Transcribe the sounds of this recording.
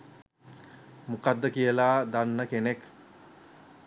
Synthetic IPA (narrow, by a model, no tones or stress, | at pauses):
mukad̪ːəkijəlaːd̪anːəkenek